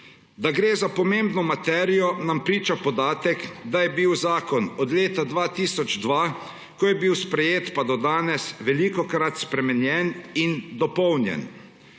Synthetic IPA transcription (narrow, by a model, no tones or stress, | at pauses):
d̪aɡɾeːzapɔmembnɔmat̪ɛːɾijɔnampɾiːt͡ʃapɔd̪aːt̪ɛkd̪ajɛbiwzaːkɔnɔd̪leːt̪ad̪ʋat̪iːsɔd͡ʒd̪ʋa | kɔjɛbiwspɾɛjeːt̪pad̪ɔd̪aːnɛsʋɛlikɔkɾat̪spɾɛmɛnjɛnind̪ɔpɔwnjɛ̰n